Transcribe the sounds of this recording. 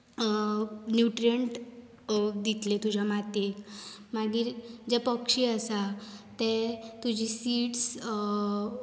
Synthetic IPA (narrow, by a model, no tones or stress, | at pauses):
njuʈɾiəɳʈ | d̪it̪let̪ud͡ʑʱamat̪ekmaɡiːɾd͡ʑepəkʂiəsat̪et̪ud͡ʑʱisiːʈs